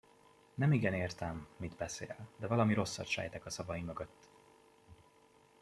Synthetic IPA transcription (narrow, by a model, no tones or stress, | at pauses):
nɛmiɡɛneːrt̪ɛmːid̪bɛsḛːld̪ɛvɒlɒmiɾo̞sːɒ̰t̪ʃɛ̰jt̪ɛkɒsɒvɒjimø̞ɡø̞t̪ː